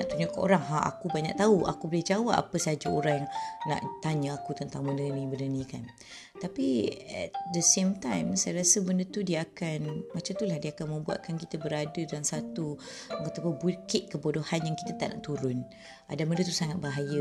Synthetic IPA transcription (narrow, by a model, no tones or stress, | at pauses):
naʔt̪uɲakaʔo̰ɾaŋɦaʔa̰kubaɲa̰k̚t̪aua̰kubolɛhd͡ʒawapa̰pəsaɦad͡ʒaoɾaŋjaŋna̰ʔt̪aɲəakut̪ənt̪aŋbənənĩbənənĩkan | t̪apiɛ̰t̚d̪əsemt̪ajmsajəɾasəbəndət̪udiəakanmat͡ʃamt̪ulahdiakanmə̃mbua̰t̪̚kankit̪əbəɾadədalaŋsat̪uat̪apəbukɪʔ̪̚kəbodohanjaŋki̥t̪ət̪a̰ʔna̰ʔt̪uɾʊn | ʔa̰daməndət̪usaŋat̪̚baɦajə